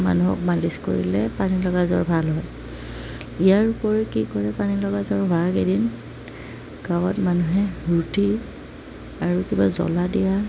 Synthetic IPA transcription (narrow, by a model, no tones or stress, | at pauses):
ma̰nuɦɔ̰k̚malisko̰ɹḭlɛpanilɔɡazɔ̰ɹbʱalɦɔj | ijaɹupɔɹikikɔɹɛpanilɔɡazɔɹbʱaɹkedin | kawɔtmanuɦɛɹuti | aɹukibazɔ̰ladija